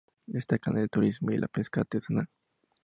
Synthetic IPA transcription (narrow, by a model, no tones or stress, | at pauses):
est̪akanelt̪uɾismoilʔa̰penskat̪et͡sana